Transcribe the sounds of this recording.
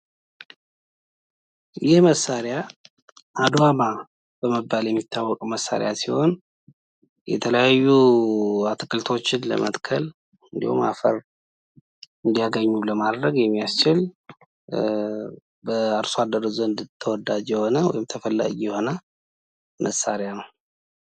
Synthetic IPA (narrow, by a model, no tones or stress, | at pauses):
jɪhməsːaɾja | ʔad̪ama | b̥əməbːaljɛmːit̪ʰːawːɔkʼməsːa̰ɾjasiho̞n | jɛ̰t̪ʰələjajːu | at̪ʰɨkʼɨlt̪ʰo̞t͡ʃːɪnlə̰mət̪ʼkʰəl | ɨnd̪ḭhṵma̰fəɾ | ɨnd̪ijaɡəɲːuləmad̪ɾəɡjɛmːijast͡ʃɪl | bəəɾsoad̪ːəɾəzoɨnd̪ɨt̪ʰːəwɔd̪ad͡ʒjɛho̞nəwɔ̰jɪmt̪ʰəfəlːa̰ɡijɛho̞nə | mʔəsːa̰ɾejanəw